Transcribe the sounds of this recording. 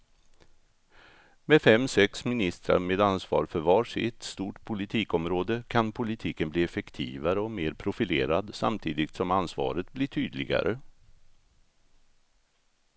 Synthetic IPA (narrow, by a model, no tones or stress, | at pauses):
meːd̪fɛmːsɛksmɪnɪst̪ɾa̰ɾmeːd̪ansvɑ̰ːɾfœɾvɑːʂɪ̰t̪st̪uːʈpʰʊlɪt̪ʰiːkɔmɾoːd̪əkʰanpʰʊlɪt̪ʰiːkənbliːɛfɛkt̪ʰiːvaɾəɔmeːɾpʰɾʊfɪleːɾad̪sa̰mt̪ʰiːd̪ɪt̪sɔmansvɑ̰ːɾət̪̚blɪʈʰyːd̪lɪ̰ɡa̰ɾə̰